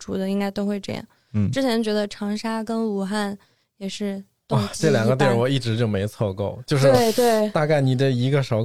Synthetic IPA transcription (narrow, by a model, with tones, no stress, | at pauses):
ʈ͡ʂu˨˩d̪ə˦i˥ŋka˥ɪt̪o˥ʊxwe˥˧ɪʈ͡ʂɤ̰˥˧jɑ̰˥˩ŋ̩˥˩ | ʈ͡ʂɻ̩˥t͡ɕʰjɛ˧˥nt͡ɕɥɛ˧˥d̪ə˧ʈ͡ʂʰɑ˧˥ŋʂa˥kə˥nu˨˩xa˥˩n | jɛ˨˩ʂɻ̩˥˩ | t̪ʊa˥˩t͡ɕɛ˥˩˧ljɑ˨˩ŋɡɡə˦t̪̬jɛ˥˧˩wɔ˨˩i˥˩ʈ͡ʂɻ̩˧˥t͡ɕjo˥˩ʊme˧˥ɪt͡sʰwɔ˥˧ko˥˩ʊt͡ɕjo˥˧ʊʂɻ̩˧˥e˥˩ɪt̪we˥˩ɪt̪a˥˧ka˥˩ɪni˨˩ʈ͡ʂə˧˩i˧˥ɡə˧ʂɑ˧˥